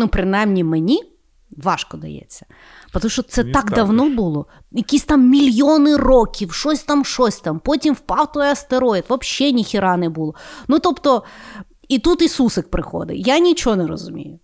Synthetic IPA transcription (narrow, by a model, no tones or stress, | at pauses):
nupɾɪnɑjmnʲimenʲi | ʋɑʃkɔd̪ɐ̰jɛ̰t͡sʲːɐ̥ | pɔt̪ɐmuʃɔt̪sɛt̪ɑkd̪ɐwnɔbulˠɔ | jɐkʲisʲt̪ɑmːʲilʲjonɪrɔkʲiwʃɔsʲt̪ɑmʃɔsʲt̪ɑmpɔtʲimwpɑwt̪ɔjɛɐst̪eɾɔjɪt̪ʋɐpʃːɛnʲixʲiɾɑnɛbulˠɔnut̪ɔpt̪ɔ | it̪ut̪isusɪk̚pɾɪxɔ̰d̪ɪ̰janʲit͡ʃɔɦɔnɛɾɔ̰zʊmʲḭjʊ